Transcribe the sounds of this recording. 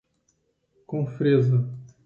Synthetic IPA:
kõfɾezɐ

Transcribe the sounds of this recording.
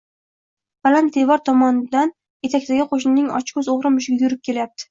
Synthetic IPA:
b̥alant̪̚ːe̞vɒɾt̪ʰɒmɒnɪd̪an | je̞t̪ʰak̚ʲt̪aɡʲɪqʰoʃ̬nɪnɪŋɒ̰t͡ʃkɵzoʁɾɪmʊʃɪɡʲajʊɾɪp̚kʲʰe̞lajap̚t̪ʰɪ̥

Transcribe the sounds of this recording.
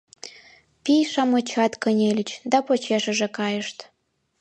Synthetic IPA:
pijʃɑmɤt͡ɕɑt̪kə̆nʲelʲət͡ɕd̪ɑpot͡ɕeʃə̆ʒĕkɑjəʃt̪

